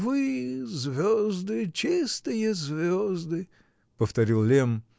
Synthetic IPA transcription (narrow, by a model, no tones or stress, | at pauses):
vɨzvʲozd̪ɨt͡ɕist̪ɨjəzʲvʲozd̪ɨ | pəft̪ɐɾʲilˠlʲem